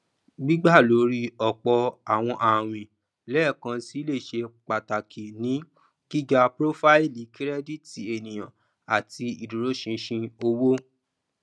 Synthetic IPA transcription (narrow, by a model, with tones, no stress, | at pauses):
ɡ͡bi˦ɡ͡ba˦˨lo˨˦ɾi˦ɔ˨k͡pɔ˧a˨w̃ɔ̃˧ʔa˨w̃ĩ˨ | lɛ˦˨kã˧si˦le˦˨ʃe˧k͡pa˨ta˨kʰi˨nĩ˨˦ | ɡ̥i˦d͡ʒa˧pɾo˦fa˦i˦˨li˨˦kɾɛ˦di˦˨ti˨e˨nĩ˨j̃ã˨ | a˨ti˧i˨du˨ɾo˨˦ʃĩ˧ʃĩ˧o˧wo˦